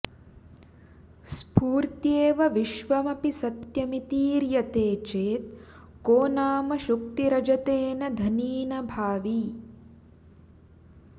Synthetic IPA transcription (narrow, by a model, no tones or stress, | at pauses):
spuːɾt̪jeːʋɐʋiʃʋɐmɐpisɐt̪jɐmit̪iːɾjɐt̪eːt͡ʃeːt̪̚ | koːnaːmɐʃuk̚t̪iɾɐd͡ʒɐt̪eːnɐd̪ʱɐniːnɐbʱaːʋi